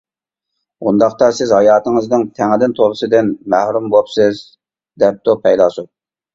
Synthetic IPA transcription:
und̪ɑqt̪ɑsɪzhɑjɑːt̪ɨŋɨznɨŋt̪ʰɛŋɪd̪ɪnt̪ʰoɾɨsɨd̪ɪnmæhɾumbopsɪz | d̪ɛp̚t̪opʰɛjd̪ɑsu

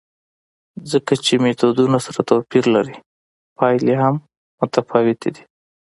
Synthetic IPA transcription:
zəkat͡ʃemet̪od̪unasaɾat̪apiɾlaɾi | pɑjleɦam | mʊt̪afɑwɪt̪ʰed̪i̥

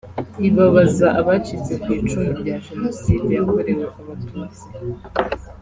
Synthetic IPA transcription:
iβaβazaʔaβat͡ʃit͡se̞kwiːt͡ʃumuɾɟaːʒenosiːdeoβoɾewaʔaβatuːt͡si̥

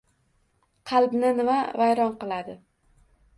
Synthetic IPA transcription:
qʰɑlˠbnɪnɪmavajɾɒnqɨlˠad̪ɪ

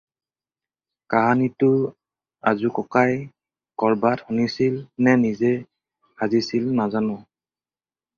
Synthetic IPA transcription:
kaɦanitʊ | a̰zukɔkaj | kɔɹbathunisilnɛnizɛ | hazisilnazanɔ̃

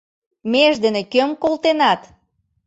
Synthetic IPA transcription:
meʒd̪ə̆nĕkømkolt̪enɑt̪

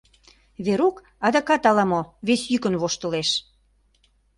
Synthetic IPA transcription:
βeɾuk | ɑd̪ɑkɑt̪ɑlɑmoβesjykə̆nβoʃt̪ə̆leʃ

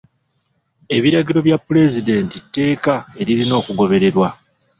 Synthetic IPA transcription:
e̞βiɾaɡiɾo̞βjapːuɾe̞zide̞ːntitːe̞ːkae̞ɾiɾino̞ːkuɡo̞βe̞ɾe̞ɾwa

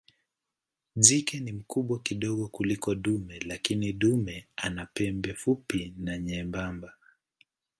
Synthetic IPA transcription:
zikɛnim̩kuɓwakiɗɔɠɔkulikɔɗumɛlakiniɗumɛanapɛmbɛfupinaɲɛmbamba

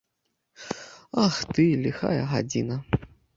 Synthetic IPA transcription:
axt̪ɨlʲixa̰jɐɦa̰d͡zʲḭnɐ

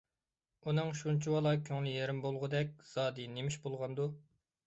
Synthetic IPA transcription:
unɨŋʃunt͡ʃʰiwɑlˠɑkʲʰøŋlɪjeɾɪmbolˠʁʊd̪ɛk̚ʲz̥ɑːd̪ɨnemiʃbolˠʁɑnd̪u

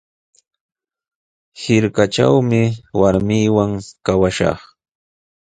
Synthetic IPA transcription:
hɪɾkat͡ʃa̰wmɪwaɾmijwaŋkawaʃɑ̰χ

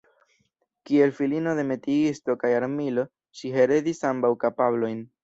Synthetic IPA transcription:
kie̞lfilino̞de̞me̞tiisto̞kajaɾmilo̞ | ʃiɦe̞ɾe̞disambawkapablo̞jn

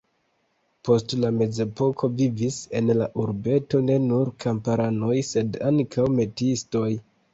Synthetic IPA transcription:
po̞stlame̞ze̞po̞kʰo̞vivise̞nlaʔuɾbe̞to̞ne̞nuɾkʰampaɾano̞jse̞daŋkʰawme̞tisto̞j

